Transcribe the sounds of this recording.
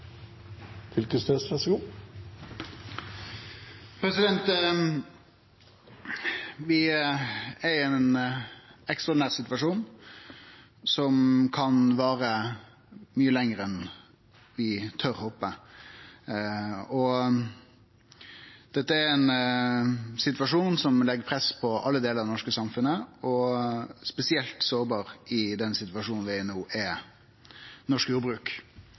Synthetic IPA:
fʰɪlk̪əst̪eːsʋæsəɡuː | pʰɾɛsɪd̪ɛnt̪ | ʋɪ | ɛɾɛn | ɛkst̪ɾɔnæːʁsɪt̪ʋɑʂuːn | sɔmkʰɑnʋæːɾə | myːəlɛŋəɾəɛn | ʋɪt̪ʰœɾhopːə | ɔ | d̪̥ɛt̪ːəɛɾɛn | sɪt̪ʋɑʂuːnsɔmlɛɡːəpʰɾɛspʰɔʔɑlːəd̪eːləɾɑd̪ɛnɔʂkəsɑmfʉnːəɔspɛsɪɛlt̪soːɾbɑːɾɪd̪ɛnsɪt̪ʋɑʂuːnnʋɪɛnuːʔɛ | nɔʂkjuːɾbɾʉːk

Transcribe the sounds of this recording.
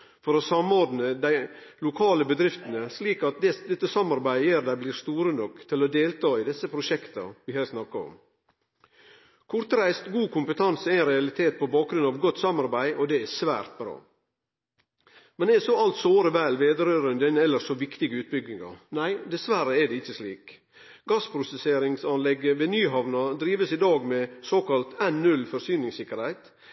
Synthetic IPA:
fɔɾɔsɑmɔɾd̪nəd̪æɪlʊkʰɑːləbəd̪ɾɪft̪ənəsliːkɑt̪̚d̪ɛd̪ɛt̪ːəsɑmɑɾbæɪjæːɾd̪æɪbliːɾst̪uːɾənɔkːt̪ʰɪlɔd̪eːlt̪ʰɑːɪd̪ɛsːəpʰɾʊʃɛkt̪ɑ̰ʋɪhɑːsnɑkːɑɔ̰m | kʰʊɾt̪ɾæɪst̪ɡuːkʰʊmpət̪ʰɑnsɛɪnɾɛɑlɪt̪ʰeːt̪̚pʰɔbɑːk̚ɡɾʉnɑʋɡɔt̪ːsɑmɑɾbæɪɔd̪ɛæsʋæ̰ːɾt̪̚bɾɑ̰ː | mɛnd̪ɛɛsɔɑlt̪soːɾəʋæːlʋeːd̪əɾøːɾənd̪ɛnɛlːəsɔʋɪkt̪ɪɡəʉːt̪̚bʏɡ̪ɪŋɑ̰næɪd̪ɛsʋæɾəɛɖɛɪçːəsliːk | ɡɑspʰɾʊsɛseːɾɪŋsɑnlɛɡːəʋeːnyːɦɑʋnɑd̪ɾiːʋəsid̪ɑːɡmɛsoːkɑlt̪ʰænnʉlfɔɾsyːnɪŋsɪkəɾhæɪt̪

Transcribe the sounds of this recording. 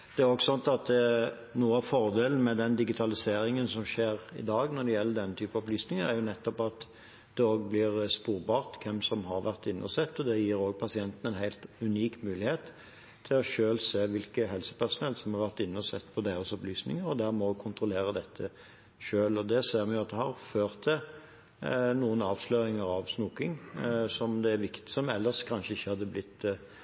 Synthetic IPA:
d̪̥ɛæɾɔɡsɑnt̪ɑt̪̚d̪ɛæ | nuːəɑʋfɔʁd̪eːln̩mɛd̪ɛnd̪ɪɡɪt̪ʰɑlɪseːɾɪŋənsɔmʃeːɾɪ̰d̪ɑːɡnɔɖ̪ɛjɛlːəɖ̪ɛnːət̪ʰyːpnɑɔplyːsnɪŋəɾæjʊnɛt̪ːɔpɑt̪ | d̪̥ɛoːɡblɪʁspuːɾbɑːʁt̪kʰɛmsɔmɦɑɾʋæʁt̪ɪnːə̰ɔ̰sɛt̪ːɔd̪ɛjiːɾoːɡ̚pʰɑsɪɛnt̪n̩ɛnɦæɪlt̪ʉniːkmʉːlɪheːt̪ʰː | ɪlɔʃøːlseːʋɪlkəɦɛlsə̥pæʁsʊnɛlsɔmhɑʁɾʋæʁt̪ɪnːəɔsɛ̰t̪ːpʰɔd̪eːɾəsɔplyːsnɪŋəɾɔd̪æːʁmɔʋɪkʰʊnt̪ɾʊleːɾəd̪ɛt̪ʰːə | ʃøːlɔd̪ɛseːɾmɛjʊɑt̪d̪ɛhɑʁføːʁt̪ʰə | nuːənɑːʋsløːɾɪŋəɾɑʋsnuːkɪŋsɔmd̪ɛæɾʋɪkt̪ɪ̥sɔmɛlːəskʰɑnʃəɪçːəhɑd̪ːəblɪt̪ː

